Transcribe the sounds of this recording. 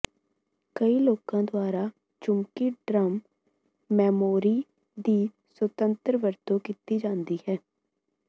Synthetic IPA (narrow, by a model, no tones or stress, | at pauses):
kəiːloːkãːd̪oaːɾaː | t͡ʃʊmkiːɖɾəmː | ɛːmoːɾiː | d̪iː | sət̪ənt̪əɾʋəɾt̪õːkit̪iːd͡ʒãːnd̪iːhɛː